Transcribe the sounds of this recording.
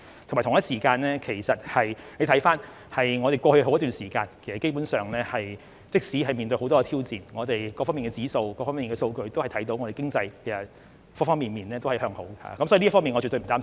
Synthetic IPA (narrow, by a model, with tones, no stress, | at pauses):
t̪ʰo˨˩mː˨˩t̪ʰŋjɐ˥t̚siː˨˩kaː˧nlɛː˥kʰe˨˩jsɐ˨t̚hɐ˨jle˨˧t̪ʰɐ˨˥jfaː˥n | hɐ˨jŋɔː˨˧e˨jkɔː˧hɵ˧ho˧˥wt̪yː˨nsiː˨˩kaː˧nkʰe˨˩sɐ˨tke˥jp̬uː˨˥nsœː˨ŋlɛː˥hɐ˨j | t͡sɪ˥k̚siː˨˥ɦɐ˨jmiː˨nt̪ɵ˧ɥho˨˥wt̪ɔː˥ɛ˧t̪ʰiː˥wt͡siː˨nŋɔː˨˧t̪e˨jkɔː˧fɔ˥miː˨˩ŋkɛː˧t͡siː˨˥so˧wkɔː˧fɔː˥miː˨nkɛ˧so˧wkɵ˧ɥt̪o˥whɐ˨jt̪ʰɐ˨˥jt̪o˨˥wŋɔ˨˧ɾe˨˩kɪ˥ŋt͡sɐ˧jpʰe˨˩sɐ˨˩ | fɔː˥fɔː˥ŋmiː˨nmiː˨˩nlɛː˥t̪o˥whɐ˨˩hœː˧ŋho˨˥wha̰ː˨˧kɐ˦msɔː˨˥˧li˥fɔ˥miː˨ŋɔ˨˧t͡ɕy˨t̪ɥm̩˨˩t̪aː˥